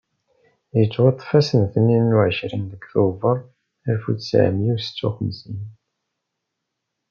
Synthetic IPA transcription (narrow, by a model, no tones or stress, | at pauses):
jət͡sːwɑt̪ˤːfæsənθənːinːuʕəʃɾinðəkθuvəɾˤ | æɾfut͡ssʕə̰mjiwsə̥t͡sːuχəmsin